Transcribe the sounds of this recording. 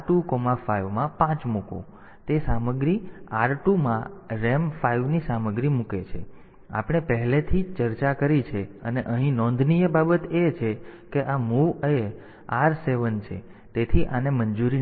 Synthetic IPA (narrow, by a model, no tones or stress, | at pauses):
ʈukɔmafaiʋmãpãt͡ʃmukõ̰ | t̪esaməɡɾiaɾʈumãɾemfaiʋnisaməɡɾimuket͡ʃʰḛ | a̰pəɽ̃epəɦlet̪ʰit͡ʃəɾt͡ʃakəɾit͡ʃʰeəneʔəɦĩnɔ̃nd̪ʱnijəbabət̪et͡ʃʰekeʔamuʋəe | aɾseʋənt͡ʃʰḛ | t̪et̪ʰiʔanemənd͡ʒuɾi